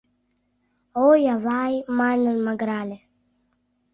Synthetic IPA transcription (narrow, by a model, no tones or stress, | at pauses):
oːjavaːjmanəlmaɡɾaːle